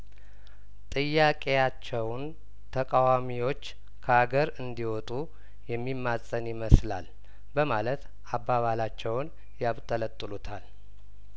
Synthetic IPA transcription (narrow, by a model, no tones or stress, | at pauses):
t̪ʼɨjːakʼe̞jat͡ʃːɛwn | t̪ʰəkʼawamiwo̞t͡ʃː | kʰəaɡəɾɨnd̪iwɔt̪ʼu | jɛmːimːasʼənɪməsla̰l | bəmalət̪ | abːaβalat͡ʃːɛwn | jaβt̪ʼələt̪ʼːɨlut̪ʰal